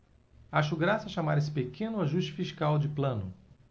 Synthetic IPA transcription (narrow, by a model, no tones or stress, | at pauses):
aʃʊɡɾasɐaʃamaɾes̬ɪ̥pekẽnʊaʒuʃt͡ʃɪ̥fiʃkawd͡ʒɪplɐ̃nʊ